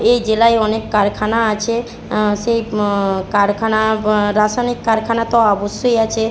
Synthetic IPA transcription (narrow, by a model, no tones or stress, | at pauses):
ejd͡ʑelajɔnekːaɾkʰanaat͡ɕʰe | ʃejkaɾkʰanaɾasajnikːaɾkʰanat̪ɔaɔboʃːojat͡ɕʰe